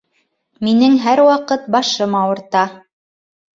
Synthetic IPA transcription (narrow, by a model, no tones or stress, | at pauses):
minɘŋɦæɾwɑqɤt̪̚bɑʃɤmɑwɤ̆ɾt̪ɑ